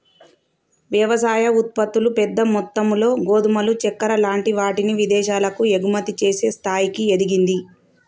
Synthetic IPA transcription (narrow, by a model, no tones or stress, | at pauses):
ʋjɐʋɐsaːjɐut̪̚pɐt̪ːulupɛd̪ːɐmɔt̪ːɐmlo̞ːɡo̞ːd̪umɐlut͡ʃɛkːɐɾɐlaːɳʈiʋaːʈiniʋid̪ɛːʃaːlɐkue̞ɡumɐt̪it͡ʃe̞ːse̞ːst̪ʰaːjikied̪iɡind̪i